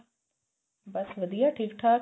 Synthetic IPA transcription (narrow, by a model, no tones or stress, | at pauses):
bɐsʋɐd̪ijaʈʰiːkʈʰaː